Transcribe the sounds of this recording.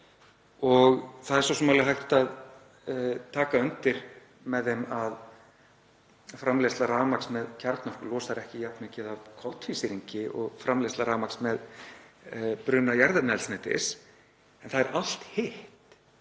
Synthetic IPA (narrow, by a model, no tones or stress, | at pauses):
ɔɣθaðɛɾ̥sɔsɔmaːlɪɦajht̪að | t̪ʰaːkaʏnt̪ɪɾ | mɛðemað | fɾamlest̪laɾaːmaksmɛðcʰaɾt̪nɔhkʏlɔːsaɾɛhcɪjapnmɪcɪðavkʰɔwt̪fisɪɾiɲcɪɔɣfɾamlest̪laɾaːmaksmɛð | pɾʏːnajaɾðɛtnɛlsnɛːt̪ɪ̰s | ɛnθaðɛɾal̥t̪hɪht̪